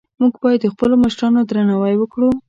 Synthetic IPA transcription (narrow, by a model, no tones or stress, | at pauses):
muɡbɑjad̪ːəxpəlomaʃɾɑnod̪ɾanɑwajwəkɽu